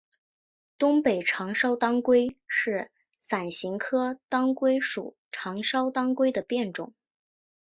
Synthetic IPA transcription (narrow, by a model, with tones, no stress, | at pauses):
t̪ʊ˥ŋpe˨˩ɪʈ͡ʂʰɑ˧˥ŋʂɑ˥ʊt̪ɑ˥ŋkwe˥ɪʂɻ̩˥˩ | sa˨˩nɕi˧˥ŋkʰɤ˥t̪ɑ˥ŋkwe˥ɪʂṵ˨˩ | ʈ͡ʂʰɑ˧˥ŋʂɑ˥ʊt̪ɑ˥ŋkwe˥ɪd̪ə˨pjɛ˥˩nʈ͡ʂʊ̰˨˩˦ŋ